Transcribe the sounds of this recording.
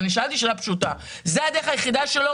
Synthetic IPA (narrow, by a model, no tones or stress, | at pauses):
niʃalt̪iʃelapʃut̪a | zead̪eχajeχid̪aʃelo